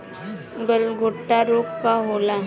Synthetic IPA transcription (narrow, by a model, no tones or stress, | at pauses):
ɡəlɡʱoʈːaɾokkaɦola